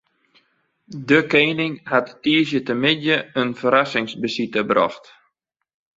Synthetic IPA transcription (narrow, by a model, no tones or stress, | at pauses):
dəkeːnɪŋhatːiːəsjətəmɪdjəənfəɾasɪŋsbəsitəbrɔ̰xt